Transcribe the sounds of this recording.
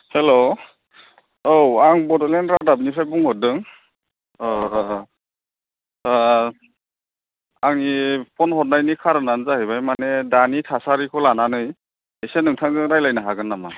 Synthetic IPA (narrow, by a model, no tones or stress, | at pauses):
helo | owaŋbɔdɔlenɾadab̚nipʰɾajbuŋɦɔt̚dɯŋ | aŋnipʰɔnhɔt̚najnikʰaɾɯnanzahɯjbajmanedanitʰasaɾikʰɔlananɯj | esenɯŋtʰaŋzɯŋɾajlajnaɦaɡɯnːama